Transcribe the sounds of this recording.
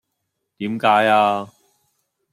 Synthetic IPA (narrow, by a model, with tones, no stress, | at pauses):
t̪iː˨˥mkaː˨˥jaː˧